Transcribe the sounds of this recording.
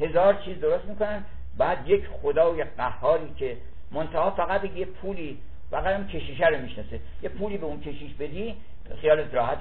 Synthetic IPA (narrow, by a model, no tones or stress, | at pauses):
he̞zɒːɾt͡ʃʰiːzd̪oɾost̪miːko̞nænd̪ | bæːd̪jecʰχod̪ɒːwojeɢæhːɒːɾiːcʰe̞ | mont̪ʰæhɒːfæɣæt̪̚beɟʲijepʰuːliː | fæɣæd̪unkʰe̞ʃiʃæɾomiːʃnɒse | jepʰuːliːbeunkʰe̞ʃiːʃbe̞d̪i | xijɒːlet̪ɾɒːhæt̪